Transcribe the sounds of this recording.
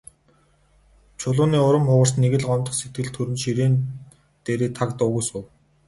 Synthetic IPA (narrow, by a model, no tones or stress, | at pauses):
t͡ɕʰʊɮʊːniːʊɾə̆mχʊʁə̆rsneɣɘ̆ɮɢɔmt̪ɞ̆χset̪̚ɡɘ̆ɮt̪ʰɵɾɘ̆nʃiɾeːn | t̪eːɾeːt̪ʰakt̪ʊːɣujsʊw